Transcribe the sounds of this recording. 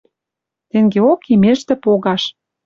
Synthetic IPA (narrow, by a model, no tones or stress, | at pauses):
t̪eŋɡeokimeʃt̪ĕpoɣɑʃ